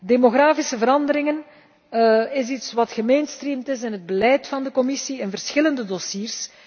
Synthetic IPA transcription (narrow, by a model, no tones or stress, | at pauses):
demoɣraːfisəvəɾɑndəɾɪŋən | ɪsitswɑtxəmejnstrimtɪsɪnɦəd̚bəlɛjtfɑndəkɔmɪsiɪnvərsxɪləndədosiːrs